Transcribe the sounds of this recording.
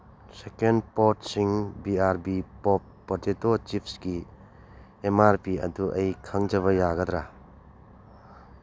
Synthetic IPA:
sekenpot̚siŋbiaɾbipɔpːɐɾtetot͡ʃipʰsɡi | emaɾpiɐ̰duʔɐjkʰɐŋd͡ʒɐβɐjaɡɐd̪ɾa

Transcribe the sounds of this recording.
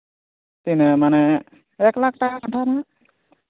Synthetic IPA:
t̪inɛmanɛ | ɛklak̚ʈakakaɳʈʰana

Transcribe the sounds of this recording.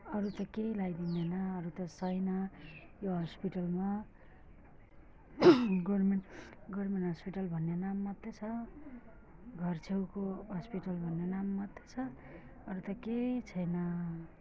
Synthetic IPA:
ʌɾut̪ʌkejlajd̪ind̪enʌːɾut̪ʌsʌjnʌ | joɦʌspiʈʌlma | ɡʌrmenɡʌrmenɦʌspiʈʌlbʱʌnːenamːʌt̪ːet͡sʰʌ | ɡʱʌrt͡sʰewkoɦʌspiʈʌlbʱʌnːenamːʌd̪et͡sʰʌ | ʌɾut̪ʌket͡sʰʌjnʌ

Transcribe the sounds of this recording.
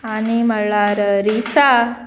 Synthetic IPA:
animəɭaɾəɾisa

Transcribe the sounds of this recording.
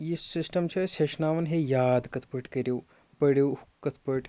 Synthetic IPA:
jisɪsʈɐmt͡ʃʰɐseʃnaːʋɐnɦejaːd̪kɐt̪ʰpɐʈʰkɐɾeː | pɐɽjeːkɐt̪ʰpɐʈʰ

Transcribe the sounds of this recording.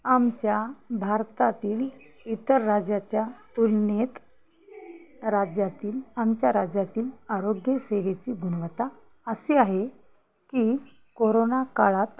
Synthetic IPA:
amt͡ɕjabʱaɾt̪at̪iːl | it̪əɾːad͡ʑjat͡ɕjat̪ulnet̪ | ɾad͡ʑjat̪iːlamt͡ɕjaɾad͡ʑjat̪iːlaɾoɡjəseʋet͡ɕiːɡʱunʋət̪a | əseaɦe | kiː | koɾonakaɭat̪

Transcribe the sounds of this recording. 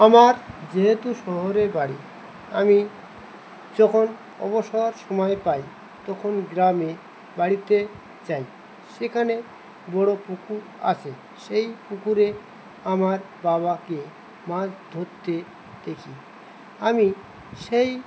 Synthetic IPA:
amaɾd͡ʑeɦet̪uʃɔɦoɾebaɽi | ami | d͡ʑɔkʰon | ɔ̰boʃoɾʃɔmɔepaj | t̪ɔkʰonɡɾame | baɽit̪e | t͡ɕaj | ʃekʰane | bɔɽopukʰuɾ | a̰t͡ɕʰe | ʃejpukʰuɾe | amaɾ | baβake | mãd͡ʑd̪ʱoɾt̪ːe | d̪̥ekʰi | ami | ʃej

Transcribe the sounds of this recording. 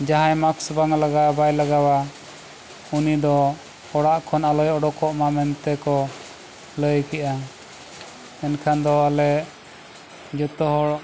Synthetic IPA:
d͡ʒaɦajmaksbaŋlaɡabajlaɡawa | unid̪ɔ | hɔɽaʔkʰɔnalɔjɔɖɔkɔʔmamɛnt̪ɛkɔ | ləjkɛʔa | ɛnkʰand̪ɔalɛʔ | d͡ʒɔt̪ɔɦɔɽ

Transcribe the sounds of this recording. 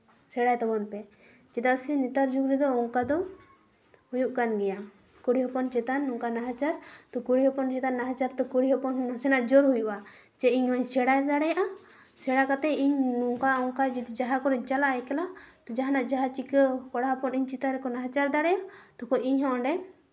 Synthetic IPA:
sɛɽajt̪ɔbɔnpɛ | t͡ʃɛt̪asinit̪aɾd͡ʒuɡɾid̪ɔɔŋkad̪ɔ | hujuʔkanɡɛja | kuɽiɦɔpɔnt͡ʃɛt̪anːɔŋkanaɦat͡ʃaɾt̪ɔkuɽiɦɔpɔnt͡ʃɛt̪anːaɦat͡ʃaɾt̪ɔkuɽiɦɔpɔnnasɛnaʔd͡ʒɔɾɦujuʔat͡ʃɛiɲwaɲsɛɽajd̪aɽɛjaʔa | sɛɽakat̪ɛiɲɔŋkaɔŋkad͡ʒit̪ɛd͡ʒaɦakɔɾɛt͡ʃalaʔjkɛlat̪ɔd͡ʒaɦanaʔd͡ʒaɦat͡ʃikəkɔɽaɦɔpɔniɲt͡ʃit̪aɾɛkɔnaɦat͡ʃaɾd̪aɽɛjat̪ɔkɔiɲɦɔ̃ɔɖɛ

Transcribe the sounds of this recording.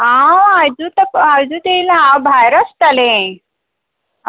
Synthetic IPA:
ɦãajd͡zut̪ajd͡ʑut̪elɦãbʱajɾəst̪alẽ

